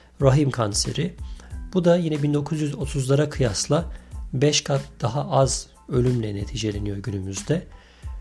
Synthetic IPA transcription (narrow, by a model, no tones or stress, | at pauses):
ɾaɦimkʰanse̞̰ɾɪb̥ud̪ajinɛbind̪o̞kʰuzjyzo̞t̪ʰuzlˠaɾakʰɯjaslˠabɛʃkʰat̪d̪̥aɦaʔaz | ø̞lʲymlʲɛnet̪ʰiːd͡ʒelʲenijo̞ɟynymyzd̪ɛ